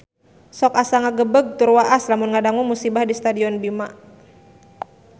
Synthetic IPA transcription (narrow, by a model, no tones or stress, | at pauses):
sɔkasaŋaɡəbəɡ̚t̪urwaʔaslamunŋadaŋuŋmusibahdist̪adiɔnbima